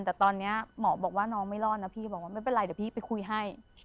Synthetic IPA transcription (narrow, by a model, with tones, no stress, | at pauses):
nt̪ɛː˨˩t̪ɔː˧nːi˦˥ɐmɔː˩˦bɔː˨˩k̚waː˥˩nɔː˧˥ŋma˥˩jlɔː˥˩na˦˥pʰiː˥˩bɔː˨˩k̚waː˥˩ma˥˩npe˨nla˨˩d̪ːpʰiː˥˩pa˧jkʰu˧jɦa˥˩j